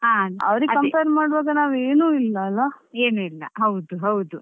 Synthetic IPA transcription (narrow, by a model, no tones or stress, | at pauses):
ɦaːɐ̰ʋɐɾiɡʲkɐmpejɾmaːɽʋaːɡɐnaːʋe̞ːnuːilːɐːlːɐeːnuilːɐ̰ɦɐwd̪uɦɐwd̪u